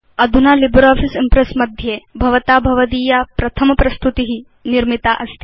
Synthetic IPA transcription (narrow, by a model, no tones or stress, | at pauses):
ɐd̪ʱunaːlibɾaːfʰisimpɾesmɐd̪ʱjeːbʱɐʋɐt̪aːbʱɐʋɐd̪iːjaːpɾɐt̪ʰɐmɐpɾɐst̪ut̪iɦi | niɾmit̪aːʔɐst̪ʰi̥